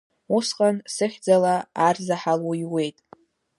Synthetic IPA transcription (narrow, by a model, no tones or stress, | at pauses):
usqʼansɨχʲd͡zalaarzaħaloiwe̞jtʼ